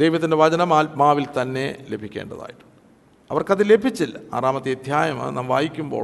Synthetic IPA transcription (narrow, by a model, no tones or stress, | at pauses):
d̪ejʋɐt̪ːinde̞ʋɐd͡ʑɐnɐmaːlmaːʋilt̪ɐnːe̞le̞bʱikʲːe̞̰ːɳɖɐða̰ːjiʈːu̥ | ɐʋɐrkɐðɨle̞bʱit͡ɕːila̰ːraːmɐt̪ːijɐd̪ʱjaːjɐmɨ̰naːmʋaːjikʲːumbo̞̰ː